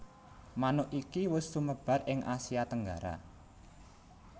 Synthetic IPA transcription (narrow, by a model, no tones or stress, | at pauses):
manʊʔʔikiwʊsːuməb̥ä̤ɾɪŋʔasiat̪əŋɡaɾa̰